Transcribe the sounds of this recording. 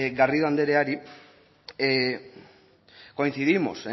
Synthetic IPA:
ɡariðoand̪e̞ɾeaɾi | ko̞inθiðimo̞̰s

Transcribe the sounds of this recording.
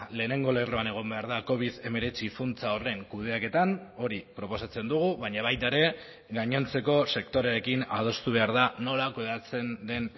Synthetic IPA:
le̞ːne̞ŋɡo̞le̞roane̞ɣ̞o̞mbe̞aɾðako̞β̞iðe̞me̞ɾe̞t͡sifunt͡sao̞re̞ŋkuðe̞ake̞t̪ano̞ɾipɾo̞po̞sat͡se̞nd̪uɣ̞uβaɲaβajt̪aeɾe̞ | ɣaɲo̞nt͡se̞ko̞se̞kt̪o̞ɾeɾe̞kinað̞o̞st̪uβ̞e̞aɾð̞ano̞lakuðeat͡se̞nd̪e̞n

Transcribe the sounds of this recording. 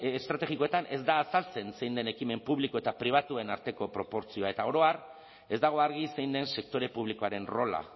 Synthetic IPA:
est̪ɾat̪e̞ɣiko̞e̞t̪anʔe̞zd̪aːsalt͡se̞nse̞jnd̪e̞nekime̞mpuβliko̞e̞t̪apɾiβ̞at̪uenaɾt̪e̞ko̞pɾo̞po̞ɾt͡sio̞ae̞t̪ao̞ɾo̞ar | e̞zd̪aɣ̞o̞aɾɣ̞ise̞jnd̪e̞nse̞k̚t̪o̞ɾe̞puβ̞liko̞aɾe̞nro̞la̰

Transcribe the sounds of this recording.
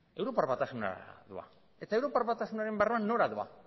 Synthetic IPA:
e̞wɾo̞paɾβat̪asuna̰ðua̰ | e̞t̪aewɾo̞paɾβat̪asunaɾe̞mberuanːo̞ɾaðua̰

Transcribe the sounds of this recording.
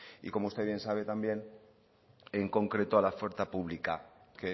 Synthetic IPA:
ḭko̞moust̪eβje̞nsaβ̞e̞t̪ambje̞n | eŋko̞ŋkɾe̞t̪oalafweɾθapuβlikake

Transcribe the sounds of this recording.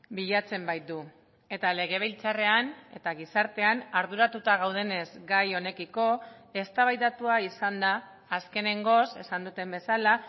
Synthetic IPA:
biʎat͡se̞mbajt̪̚d̪u | e̞t̪ale̞ɣe̞β̞elt͡sare̞ane̞̰t̪aɣisaɾt̪e̞anaɾðuɾat̪ut̪aɣ̞awð̞e̞ne̞zɡajo̞ne̞kiko̞e̞st̪aβajt̪at̪uaisand̪aː | ske̞ne̞ŋɡo̞se̞sand̪ut̪e̞mbe̞sala

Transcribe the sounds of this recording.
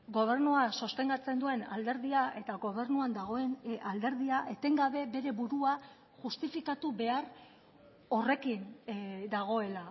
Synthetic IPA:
ɡo̞β̞e̞rnuasost̪e̞ŋɡat͡se̞nd̪ue̞na̰ld̪e̞ɾðiae̞t̪aɣo̞βe̞rnuand̪aɣ̞oenald̪e̞ɾðiaʔe̞t̪e̞ŋɡaβe̞be̞ɾe̞βuɾua | ʝust̪ifikat̪uβe̞ar | o̞re̞kind̪aɣ̞o̞e̞la

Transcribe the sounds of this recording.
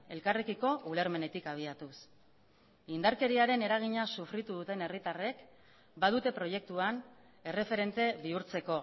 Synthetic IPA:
e̞lkarekiko̞ʔule̞ɾme̞ne̞t̪ikaβ̞iat̪us | ind̪aɾke̞ɾiaɾe̞ne̞ɾaɣ̞iɲasufɾit̪uðut̪e̞ne̞rit̪are̞k | bað̞ut̪e̞pɾo̞je̞k̚t̪uan | e̞re̞fe̞ɾe̞nt̪e̞βiuɾt͡se̞ko̞

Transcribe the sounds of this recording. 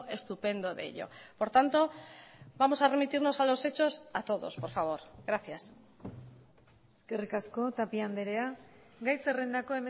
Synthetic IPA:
ʔe̞st̪upe̞nd̪o̞ðḛʎo̞̰po̞ɾt̪ant̪o̞bamo̞sare̞mit̪iɾno̞salo̞se̞t͡ʃo̞sat̪o̞ðo̞̰spo̞ɾfaβ̞o̞ɾɣɾaθjas | eske̞rikasko̞t̪apiand̪e̞ɾe̞a | ɡajse̞rend̪ako̞e̞me

